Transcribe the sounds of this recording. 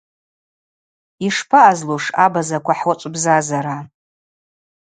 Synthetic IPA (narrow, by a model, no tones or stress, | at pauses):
iʂpʰaʔːzloʂabazakʷʰaħwat͡ʃʷʼbzazaɾa